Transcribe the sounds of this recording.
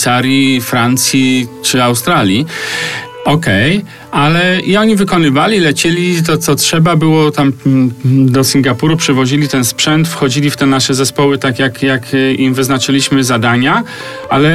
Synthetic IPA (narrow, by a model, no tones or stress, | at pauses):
saɾʲjifɾant̪sʲjit͡ʂɘawst̪ɾalʲji | ɔkɛj | alɛiɔɲivɘkɔnɘvalʲilɛt͡ɕɛlʲit̪̬ɔt̪sɔtʂɛbabɘwɔt̪am | d̪ɔsʲiŋɡapuɾupʂɛvɔʑilʲit̪ɛnspʂɛnt̪fxɔd͡ʑilʲift̪ɛnaʂɛzɛspɔwɘt̪akʲjakjakimvɘznat͡ʂɘlʲiɕmɘzad̪aɲa | a̰lɛ